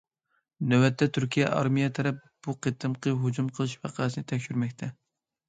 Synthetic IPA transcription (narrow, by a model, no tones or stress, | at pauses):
nøwɛt̪ʰːɛt̪ʰyɾkʲijɛ̰ʔɑ̰ɾmijɛt̪ʰɛɾɛp̚ | b̥uqʰet̪ɨmqʰəɦud͡ʒumqʰəlˠɨʃvæ̰qʰɑːsɨnɨt̪ʰɛkʲʃyɾmɛkʲt̪ʰɛ